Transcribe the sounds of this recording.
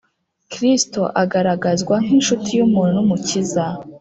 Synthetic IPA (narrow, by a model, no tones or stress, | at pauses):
kɾistoʔaɡaɾaɡazɡwaŋ̥inʃutʰijumuːnunumuciza